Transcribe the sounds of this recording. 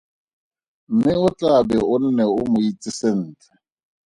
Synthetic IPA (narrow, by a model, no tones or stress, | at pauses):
m̩mɪʊt͡ɬʼabɛʊn̩nɛʊmʊit͡sʼɪsen̩ːt͡ɬʼɛ̥